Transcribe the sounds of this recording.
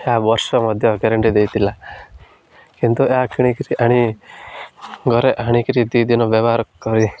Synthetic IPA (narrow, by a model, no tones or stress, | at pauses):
jabɔɾsɔmɔd̪ʱjɔkeɾeɳʈid̪ejt̪ila | kint̪ujakiɽ̃ikɾiʔaɽ̃i | ɡɔɾeʔaɽ̃ikɾid̪id̪inɔʋeʋaɾkɔɾi